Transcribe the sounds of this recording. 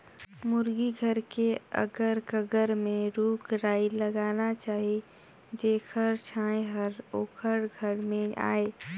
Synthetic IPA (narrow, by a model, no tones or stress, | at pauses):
mʊɾɡiɡʱəɾkeə̰ɡəɾkəɡəɾmẽɾuːkɾaːiləɡaːnat͡ʃaːɦie | d͡ʒeːkʰəɾt͡ʃʰãːeɦəɾoːkʰəɾɡʱəɾmẽʔa̰ːe